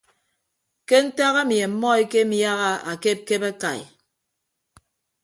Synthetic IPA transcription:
ke˦n̩˦ta˦ɣa˦m˨e˨m̩˦mɔ˦e˦ke˦mi˦ja˦ɣa˦a̰˨ke˦p̚ke˦ba˦ka˨j

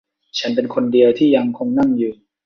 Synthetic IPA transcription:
t͡ɕʰa˦˥npe˧nkʰo˧ndi˧əwt̪ʰiː˥˩ja˧ŋkʰo˧ŋna˥˩ŋjɯː˨˩

